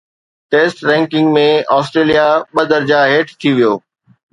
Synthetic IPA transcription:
ʈeːsʈɾɛ̃ːŋkɪ̃ŋɡmẽɔːsʈɾeːlijaɓɐd̪əɾd͡ʑaɦeːʈʰt̪ʰiʋijoː

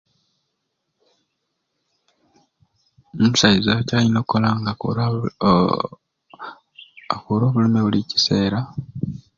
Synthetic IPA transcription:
umusaizacaːlino̞ːkːolaŋɡa | akuːɾo̞ːβulemeβulici̥se̞ːɾa

